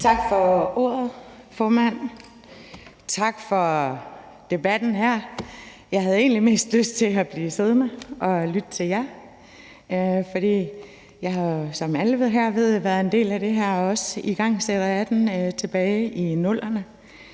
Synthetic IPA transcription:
t͡sʰɑ̈ɡ̥fɒ̽o̝̰ɐð̩ˠfɒːmæn̰ | t͡sʰɑ̈ɡ̥fɒ̽ | d̥e̝b̥æd̥n̩ɦæɐ̰ | jɑ̈ɪɦæðˠe̝̰ːnlime̝̰ːsd̥løsd̥̚t͡sʰe̝æb̥liːse̝ð̞ˠmɑʔɒ̽lyd̥ət͡sʰe̝ljɑ | fɒ̽ɾ̥ḭː | jɑ̈ɪɦɑ̈sɒ̽mæləʋe̝ð̰ˠɦæɐ̰ʋe̝ð̞̰ˠʋæɐð̞ˠe̝nd̥e̝̰ːlæɾ̥e̝ɦæɐ̰ɒ̽siɡ̥ɑ̈ŋ̰seɾ̥ɐjɑd̥enøt͡sʰe̝b̥ɛːɪʔinɔ̽l̰ʔɐnə

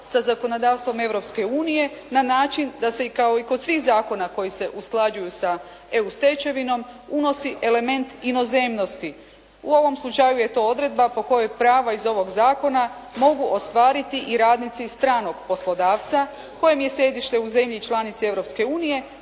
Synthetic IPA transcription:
sazako̞no̞d̪aːʋst̪ʋo̞me̞ʋɾo̞pske̞uːnije̞ | nanaːt͡ʃind̪ase̞kao̞iko̞d̪sʋiːxzaːko̞nako̞jise̞ʔusklˠad͡ʒujusa | e̞ust̪et͡ʃe̞ʋino̞muno̞siʔe̞le̞me̞nt̪ino̞ze̞mno̞st̪i | uo̞ʋo̞mslˠut͡ʃajuje̞t̪o̞ːo̞d̪ɾe̞d̪̚bapo̞ko̞jojpɾaːʋaizo̞ʋo̞ɡzaːko̞namo̞ɡuʔo̞st̪ʋaːɾit̪iʔiɾaːd̪nit̪sist̪ɾaːno̞ɡ̥po̞slˠo̞d̪aːʋt̪sa | ko̞jemje̞sje̞d̪iʃt̪e̞uze̞mʎit͡ʃlˠanit̪sie̞ʋɾo̞pske̞uːnije̞

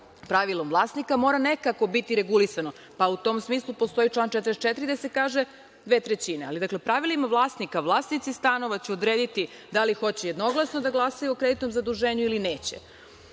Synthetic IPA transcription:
pɾaʋilˠo̞mʋlˠaːsnikamo̞ɾane̞kako̞bit̪iɾe̞ɡulisano̞ | paut̪o̞ːmsmiːslˠupost̪o̞it͡ʃlˠaːnt͡ʃɛt̪ɾest̪t͡ʃet̪ɾid̪ase̞kaːʒe̞ | d̪ʋeːt̪ɾet͡ɕinea̰lid̪akle̞pɾaʋilimaʋlˠaːsnikaʋlˠaːsnit̪sist̪ano̞ʋat͡ɕɛod̪ɾeːd̪it̪i | d̪alixo̞t͡ɕejed̪no̞ɡlˠasno̞d̪aɡlˠasajuokɾed̪it̪nomzad̪uʒe̞ːɲuilineːt͡ɕḛ

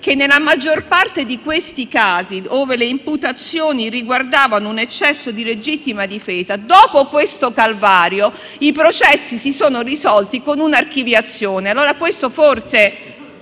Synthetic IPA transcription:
k̟enːelamad͡ʒːorpart̪ed̪ikwest̪ikaːzioːveleimput̪at̪sːjoːniriɡward̪aːvanounet͡ʃːɛsːod̪iled͡ʒit̪ːimad̪ifɛːzad̪ɔːpokwest̪okalvaːɾjo | ipɾot͡ʃɛsːisisoːnorizɔlt̪ikonunark̟ivjat̪sːjoːnealːoːɾakwest̪oforse

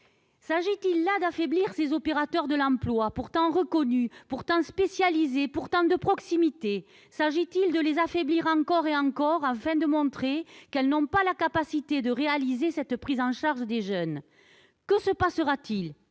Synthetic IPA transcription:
saʒit̪ilːad̪afɛbliʁsezɔpeʁat̪œʁd̪əlɑ̃plwapuʁt̪ɑ̃ʁəkɔnypuʁt̪ɑ̃spesjalizepuʁt̪ɑ̃d̪əpχɔksimit̪e | saʒit̪ild̪əlezafɛbliʁɑ̃kɔʁeɑ̃ŋkɔʁɑ̃fɛ̃d̪əmɔ̃t̪χekɛlnɔ̃palakapasit̪ed̪əʁealizesɛt̪pχizɑ̃ʃaʁʒəd̪eʒœn | kəsəpasəʁat̪il

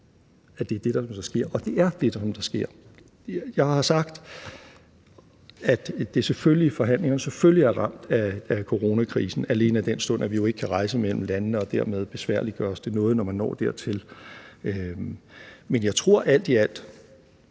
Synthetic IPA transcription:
æd̥e̝d̥e̝d̥ɑ̈sɒ̽msɒsɡ̥e̝ɐ̰ʔɒ̽d̥e̝æɐd̥e̝d̥sɒ̽md̥ɑ̈sɡ̥e̝ɐ̰ | jɑ̈ɪhɑ̈sɑ̈ɡ̥d̥ | æd̥d̥e̝seføllifɒ̽ɦæn̰le̝ŋɐnəsefølliæɐʁɑ̈m̰d̥æːkʰo̝ʁo̝ːnækʰʁḭːsn̩æle̝ːnəæd̥ensd̥ɔ̽n̰æʋijo̝e̝ɡ̥əkʰæʁɑ̈ɪsəmel̰m̩lænnəɒ̽d̥æɐ̰með̞ˠb̥e̝sʋæɐ̰lid̥ɡ̥ɶːɐɒsd̥e̝nɔ̽ːð̞̩ˠnɒmænːɒ̰ːd̥æɐ̰t͡sʰe̝lø | menjɑ̈ɪt͡sʰʁo̝ɐ̰ʔæl̰d̥iæl̰d̥

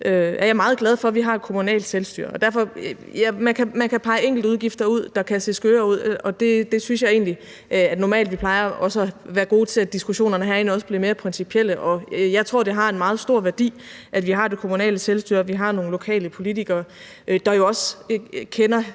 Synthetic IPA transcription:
ʔøæɐjɑ̈ɪmɑ̈ːð̩ˠɡlæð̞ˠfɒ̽ʋiɦɑ̈e̥kʰo̝munɛ̰ːld̥selsd̥y̰ːɐ̰ɒ̽d̥æɐfɒ̽ | jæmænkʰæmænkʰæpʰɑ̈ɪeŋ̰ɡl̩dəuð̞ˠɡ̥ifd̥ɐuð̞̰ˠd̥ɑ̈kʰæse̝̰sɡ̥øːɐːuð̞̰ˠɒ̽d̥e̝d̥e̝synsjɑ̈ɪe̝ːnli | ʔæd̥nɒmɛ̰ːld̥ʋipʰlɑ̈ɪɐɒ̽səæʋæːɐɡ̥o̝ːt͡sʰe̝læd̥isɡ̥uɕo̝̰ːnɐnəɦæɐe̝nɒ̽səb̥liɐme̝ːɐpʰʁɛnsipʰiel̰əʔɒ̽jɑ̈ɪt͡sʰʁo̝ɐ̰d̥eɦɑ̈e̝nmɑ̈ːð̞̩ˠsd̥o̝ɐ̰ʋæɐd̥ḭːʔæd̥ʋiɦɑ̈d̥e̝kʰo̝munɛ̰ːləselsd̥y̰ːɐʋiɦɑ̈no̝ːŋn̩lo̝kʰɛ̰ːləpʰo̝lit͡sʰiɡ̥ɐː | ʔd̥ɑ̈jo̝ɒ̽skʰenɐ

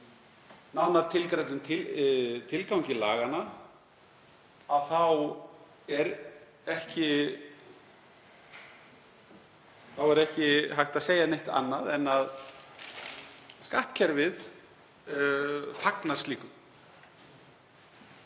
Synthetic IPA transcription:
nawnaɾ̥t̪ʰɪlkɾajt̪ʏmt̪ʰɪt̪ʰɪlkawɲcɪla̰ːɣana | aðθaw | ɛɾ | ɛhcɪ | θawɛɾɛhcɪɦajxt̪aðseːjanejht̪a̰nːaðɛnːað | skaht̪cʰɛɾvɪð | faknaɾ̥st̪liːkʏm

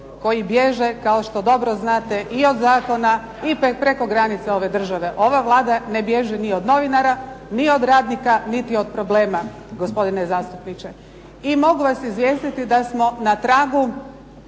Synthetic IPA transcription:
ko̞jibje̞ʒe̞kaoʃt̪o̞d̪o̞bɾoznaːt̪e̞ʔio̞d̪zaːko̞na | ippɾeko̞ɡɾanit̪seo̞ʋe̞d̪r̩ʒaʋe̞ʔo̞ʋaʋlˠaːd̪ane̞bje̞ʒɛnio̞d̪no̞ʋinaɾanio̞d̪ɾaːd̪nikanit̪io̞d̪̚pɾo̞ble̞ːma | ɡospo̞d̪inezaːst̪upnit͡ʃe̞ | imo̞ɡuʋasizʋje̞ːst̪it̪id̪asmo̞nat̪ɾaːɡu

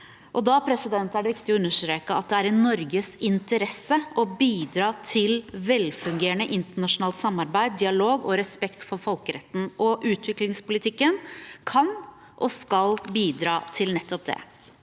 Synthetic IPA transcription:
ʔɔd̪ɑpʰɾɛsɪd̪ɛnt̪æɖɛʋɪkt̪ɪɔʉnːəʂt̪ɾeːkəɑt̪̚d̪ɛæɾɛnːɔɾɡəsɪnt̪əɾɛsəʔɔbiːd̪ɾɑːt̪ʰɪlʋɛlfʉŋɡeːɾəɳəʔɪnt̪əɳɑʂʊnɑːlt̪sɑmːɑɾbæɪd̪̚d̪ɪɑloːɡɔɾɛspɛkt̪fɔɾfɔlkəɾɛt̪ːn̩ʔɔʔʉːt̪ʰʋɪklɪŋspʊlɪt̪ʰɪkːənkʰɑn | ʔɔskɑlbiːd̪ɾɑːt̪ʰɪlnɛt̪ːɔp̚d̪ɛ̰

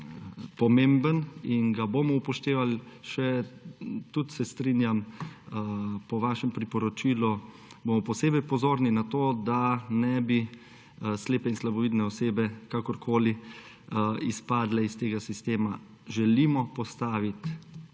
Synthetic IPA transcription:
pɔmembəninɡabomɔupɔʃt̪eːʋalʃɛ | t̪ut̪sɛst̪ɾiːnjam | pɔʋaːʃɛmpɾipɔɾɔt͡ʃiːlɔ | bomɔpɔseːbɛjpɔzoːɾninat̪oːd̪anɛbi | sleːpɛinslabɔʋiːd̪nɛɔseːbɛkakɔɾkʰoːli | ispaːd̪lɛist̪eːɡasist̪eːma | ʒɛlimɔpɔst̪aːʋit̪

